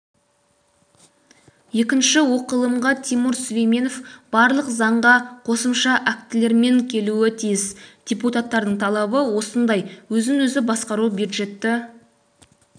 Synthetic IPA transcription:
je̞kʲɪnʃɪwo̞qəlˠəmʁɑt̪ʰimʊɾsʊvejme̞no̞fb̥ɑɾlˠəqzɑɴʁɑqʰo̞səmʃɑʔæk̚t̪ɪle̞ɾme̞ŋkʲʰe̞luɪt̪ʰijɪsd̪̥ʲeput̪at̪ːɑɾd̪əɴt̪ʰɑlˠɑbəwo̞sənd̪ɑjwɵzɪŋwɵzɪbɑsqɑɾubud̪ʒe̞t̪ːɪ

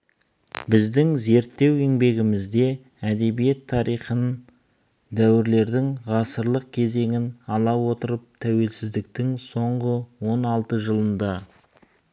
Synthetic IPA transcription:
bɪzd̪ɪŋze̞ɾt̪ːe̞we̞ŋbe̞ɡʲɪmɪzd̪e̞ | æd̪e̞bije̞t̪ʰːɑɾijχən | d̪æwɪɾle̞ɾd̪ɪŋʁɑsəɾlˠəq̚kʲʰe̞ze̞ŋɪnɑlˠɑwo̞t̪əɾəp̚t̪ʰæwe̞lsɪzd̪ɪk̚t̪ɪŋso̞ɴʁəwo̞nɑlˠt̪əʒəlˠənd̪ɑ

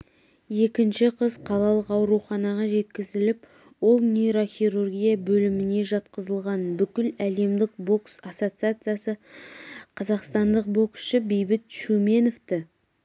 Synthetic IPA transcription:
je̞kʲɪnʃɪqʰəzqʰɑlˠɑlˠəqɑwɾuχɑnɑʁɑʒe̞t̪̚kʲɪzɪlɪp | wo̞lˠnʲejɾo̞χʲiɾurɡʲijabɵlɪmɪne̞ʒɑt̪qəzəlˠʁɑnbʏkʲɪlæle̞md̪ɪk̚bo̞ksɑsot̪sɨat̪sɨjasə | qʰɑzɑqst̪ɑnd̪əq̚bo̞ksʃɪbe̞jbɪt̪ʃume̞noft̪ɪ

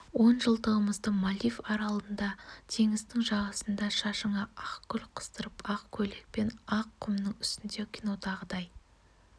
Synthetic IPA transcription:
wo̞nʒəlˠt̪əʁəməzd̪əmɑlifɑɾɑlˠənd̪ɑt̪ʰe̞ŋɪzt̪ɪŋʒɑʁɑsənd̪ɑʃɑʃəɴɑɑqkʲʰʏlqʰə̥st̪əɾəpɑqkʲʰɵlek̚pe̞nɑqʰːʊmnəŋʏ̥st̪ɪnd̪e̞kʲʰino̞t̪ʰɑʁəd̪ɑj

